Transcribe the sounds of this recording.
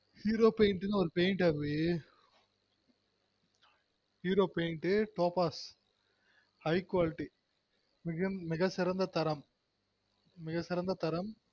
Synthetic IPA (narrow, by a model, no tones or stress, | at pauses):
hiːɾoːpeɪɳʈɯnɯɔɾɯpeːɪɳʈɐʋi | hiːɾoːpeɪɳʈɯʈoːpaːs | hɐɪkwaːlɪʈːi | mɪɐmɪɣɐsɪɾɐnd̪ɐt̪ɐɾɐm | mɪɣɐsɪɾɐnd̪ɐt̪ɐɾɐm